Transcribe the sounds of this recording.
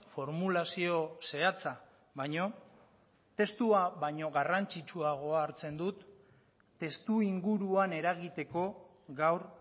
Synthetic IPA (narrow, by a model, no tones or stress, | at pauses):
fo̞ɾmulasio̞se̞at͡sa | βajɲo̞ | t̪e̞st̪uaβajɲo̞ɣarant͡sit͡ʃuaɣ̞o̞aɾt͡se̞nd̪ut̪ː | e̞st̪uiŋɡuɾuane̞ɾaɣit̪e̞ko̞ | ɣawɾ